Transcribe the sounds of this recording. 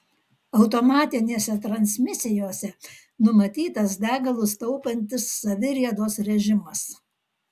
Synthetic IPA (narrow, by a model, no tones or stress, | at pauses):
ɐʊt̪oːmɑːt̪ʲɪnʲeːsʲɛt̪ɾɐnʲsʲmʲɪsʲɪjoːsʲɛ | nʊmɐt̪ʲiːt̪ɐs̬d̪ʲæːɡɐlˠʊst̪ɐʊpɐnʲt̪ʲɪsːɐʋʲɪɾʲiɛd̪oːsɾʲɛʒʲɪmɐs